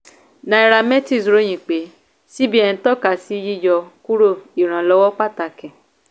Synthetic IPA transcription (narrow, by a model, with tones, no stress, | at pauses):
nã˧i˧ɾa˧mɛ˦ti˦˨sɾo˨˦j̃ĩ˨k͡pe˨˦ | si˦bi˦ɛ˧ĩ˧tɔ˦ka˨si˦ji˦jɔ˧ku˦ɾo˦˨i˨ɾ̃ã˨lɔ˧˦wɔ˦k͡pa˦ta˨kɛ̃˨